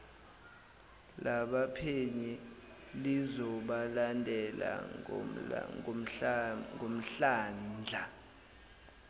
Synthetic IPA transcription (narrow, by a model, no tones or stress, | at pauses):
lʔaɓapʰeɲi | lizɔɓalandʱɛla̰ | ŋm̩ŋʱom̩ɬaːnd͡ɮʱa